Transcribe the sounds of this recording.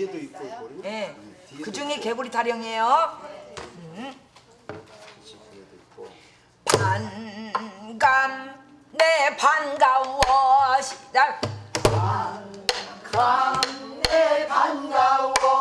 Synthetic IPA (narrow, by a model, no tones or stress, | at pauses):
jekɯd͡ʑuŋekeɡuɾitʰaɾjʌŋejo | ɯ | pan | ɡamː | epanɡawʌɕʰia | epanɡa